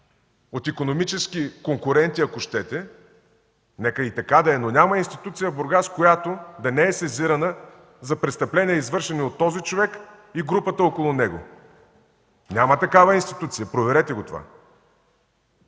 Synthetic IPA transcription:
ot̪ikonomit͡ʃɛskikoŋkʊɾɛnt̪iɐkoʃt̪ɛt̪ɛ | nɛkəit̪ɐkad̪ɐɛnonʲamɐinst̪it̪ut̪sijəboɾɡaskojat̪od̪ɐnɛɛsɛziɾɐnə | zɐpɾɛtst̪ɐplɛniɛizvɤɾʃɛniot̪ːɔzit͡ʃovɛk | iɡɾupət̪əokolˠʊnɛɡo̰ | nʲamət̪ɐkavəinst̪it̪ut̪sijəpɾovɛɾɛt̪ɛɡot̪ova̰

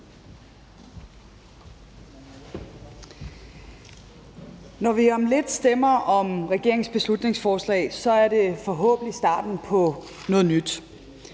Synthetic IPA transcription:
nɒʋiɒ̽mle̝d̥sd̥emɐɒ̽mʁɛɡ̥e̝ɐ̰eŋsb̥e̝slud̥ne̝ŋsfɒːslɛ̰ːɪsɒ̽æɐɾe̝fɒɦɔ̰̽ːb̥n̩isd̥ɑ̰̈ːd̥n̩pʰɒ̽ | nɔ̽ːð̞̩ˠnyd̥

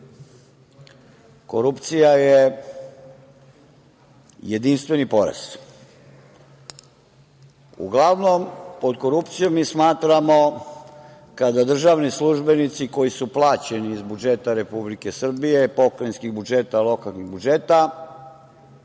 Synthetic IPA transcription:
koɾupt̪sijaje | jed̪inst̪ʋe̞nipo̞ɾa̰s | ṵɡlaʋno̞mpo̞d̪ko̞ɾupt̪sijomːiːsmaːt̪ɾamo̞ | kad̪ad̪r̩ʒaːʋnislˠuʒbe̞nit̪siko̞jisuplˠaːt͡ɕe̞niːzbud͡ʒe̞t̪aɾe̞publike̞sr̩bije̞po̞kɾejnskiɣbud͡ʒeːt̪alˠo̞kalˠniɣbud͡ʒe̞ːt̪a

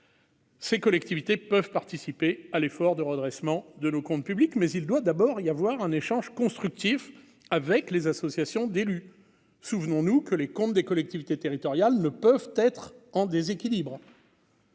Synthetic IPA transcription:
sekɔlɛk̚t̪ivit̪epəvpaʁt̪isipealefɔʁd̪əʁəd̪ʁɛsmɑ̃d̪ənokɔ̃t̪̚pyblikmɛzild̪wad̪abɔʁijavwaʁɛ̃neʃɑ̃ʒkɔ̃st̪χyk̚t̪if | avɛklezasɔsjasjɔ̃d̪ely | suvnɔ̃nukəlekɔ̃t̪d̪ekɔlɛk̚t̪ivit̪et̪eʁit̪ɔʁjalnəpœvt̪ɛt̪χɑ̃d̪ezekʲilibʁ

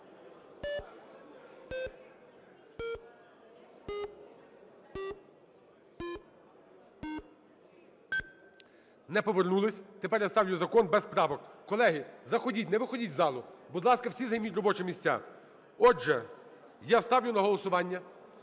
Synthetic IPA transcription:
nɛpɔʋernulˠɪsʲt̪epɛɾjɐst̪ɑwjʊzɐkɔnbɛspɾɑʋɔkkɔlˠɛɦɪzɐxɔdʲitʲnɛʋɪxɔdʲitʲzɑlˠʊbʊd̪lˠɑskɐwsʲizɐjmʲutʲrɔbɔt͡ʃɛmʲisʲt͡sʲa̰ | ɔʒɛ | jɑst̪ɑwjʊnɐɦɔlˠɔsʊʋɑnʲːɐ

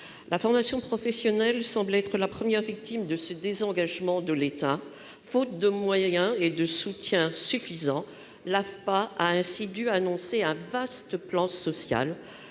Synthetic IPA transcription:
lʔafɔʁmasjɔ̃pχɔfɛsjɔnɛlsɑ̃blɛt̪χəlapχəmjɛʁvik̚t̪imd̪əsəd̪ezɑ̃ɡaʒmɑ̃d̪əlet̪a | fot̪̚d̪əmwajɛ̃ed̪əsut̪jɛ̃syfizɑ̃ | lafpaʔaɛ̃sid̪yanɔ̃seɛ̃vast̪əplɑ̃sɔsja̰l

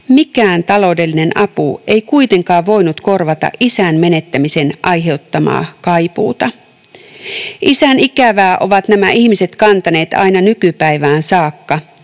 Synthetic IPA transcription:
mikæːnt̪ɑlo̞wde̞lːine̞nɑpue̞jkuit̪e̞ŋkɑːʋʋo̞jnut̪ko̞rʋɑt̪ɑ̰ʔisæːnme̞ne̞t̪ːæmise̞nʔɑjɦe̞ut̪ːɑmɑ̰ːkɑjpṵːt̪ɑ | ʔisænikæʋæːʔo̞ʋɑt̪næmæʔihmise̞t̪kɑnt̪ɑne̞ːt̪ɑ̰jnɑnykypæiʋæːnsɑːkːɑ

